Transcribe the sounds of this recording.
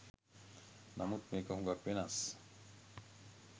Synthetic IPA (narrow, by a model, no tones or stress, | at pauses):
namut̪̚mekaɦuŋɡakbenas